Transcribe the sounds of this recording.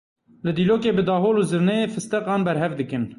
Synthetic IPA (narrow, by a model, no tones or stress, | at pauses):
lɨd̪iːloːkeːbɨd̪ɑːɦoːluːzɨɾnɛjeːfɨst̪ɛqɑːnbɛɾɦɛvd̪ɨkɨn